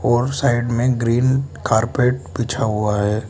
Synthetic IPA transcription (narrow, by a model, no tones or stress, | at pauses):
ɔːɾsaːɪɖmẽɡɾiːnkaːɾpeːʈbiːt͡ʃʰaɦuaɦɛː